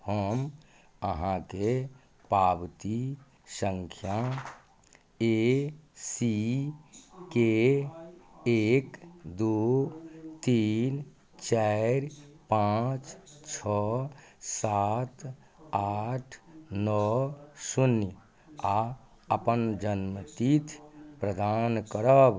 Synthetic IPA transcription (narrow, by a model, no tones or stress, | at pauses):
həm | əɦãke | pabt̪i | səŋkʰja | e | si | ke | ekd̪u | t̪in | t͡ʃɛɾpãt͡ʃt͡ʃʰɔ | sat̪ | aʈʰnɔsunjə | a | əpənd͡ʒənmt̪it̪ʰpɾəd̪ankəɾəb